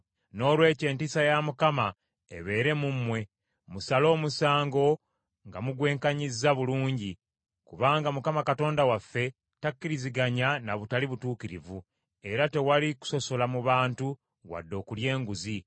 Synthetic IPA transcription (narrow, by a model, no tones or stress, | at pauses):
no̞ːlwe̞ːce̞ːntisajamukama | ḛβe̞ːɾe̞mumwe̞ | musalo̞ːmusaːŋɡo̞ | ŋɡamuɡwe̞ːŋkaɲizːaβuluːɲɟi | kuβaːŋɡamukamakato̞ːndawafːe̞ | takːiɾiziɡaɲanaβutaliβutuːkiɾivu | e̞ɾate̞waliku̥so̞so̞lamuβaːntu | wa̰dːo̞ːkulje̞ːŋɡuzi